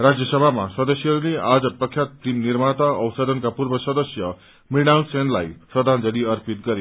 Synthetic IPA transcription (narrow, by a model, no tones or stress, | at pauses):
rad͡zjʌsʌbʱamasʌd̪ʌsjʌɦʌɾulead͡zʌprʌkʰjat̪̚primnirmat̪ʌʌwsʌd̪ʱʌnkapurbʌsʌd̪ʌsjʌ | miɽawsenla̰jsʌd̪ʱand͡zʌɽiʌrpit̪̚ɡʌɾe